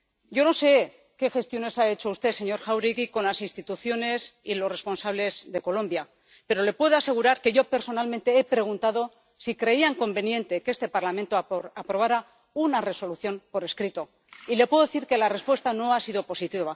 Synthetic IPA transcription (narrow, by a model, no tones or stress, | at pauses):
ɟ͡ʝo̞no̞se̞ | ke̞xe̞st̪jo̞ne̞sae̞t͡ʃoust̪e̞se̞ɲo̞ɾxawɾiɣiko̞nlasinst̪it̪uθjo̞ne̞silo̞sre̞spo̞nsaβle̞zðe̞ko̞lõ̞mbja | pe̞ɾo̞le̞pwe̞ð̞oase̞ɣ̞uɾaɾke̞ʝo̞pe̞ɾso̞nalmẽnt̪eepɾe̞ɣ̞unt̪aðo̞ | sikɾe̞iaŋko̞mbe̞njẽ̞nt̪e̞ke̞st̪e̞paɾlament̪oapɾo̞β̞aɾa | unare̞so̞luθjo̞mpo̞ɾe̞skɾit̪o̞ | ile̞pweðoeθiɾke̞lare̞spwe̞st̪ano̞asiðo̞po̞sit̪iβa